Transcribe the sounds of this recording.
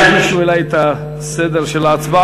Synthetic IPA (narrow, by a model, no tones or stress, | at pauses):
tiʃuelajet̪a | sed̪eʁʃelaːt͡sba